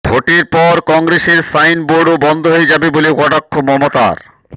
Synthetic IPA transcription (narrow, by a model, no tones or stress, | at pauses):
bʱoʈiɾpɔɾkɔŋɡɾeseɾsajnboɖobɔnd̪ʱoɦoed͡ʑabebolekɔʈakʰːomɔmot̪a̰ɾ